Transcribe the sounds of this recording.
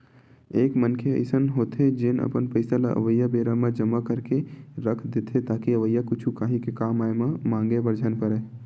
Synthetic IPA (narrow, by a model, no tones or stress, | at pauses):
eːkmənkʰeə̰ɪsənɦoːt̪ed͡ʒɪnə̰pənpəɪsalaʔə̰ʋəjabeːɾamẽd͡ʒəmakəɾkeɾəkʰd̪eːt̪ʰɦet̪aːkiəʋəjakʊt͡ʃʰukaːɦĩkekaːmaːemãmãːŋɡebəɾd͡ʒʱənpəɾɛː